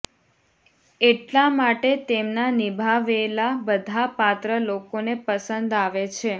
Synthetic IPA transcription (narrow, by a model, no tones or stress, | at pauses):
eʈlamaʈet̪emnanibʱaʋelabəd̪ʱapat̪ɾəlokonepəsənd̪aʋet͡ʃʰe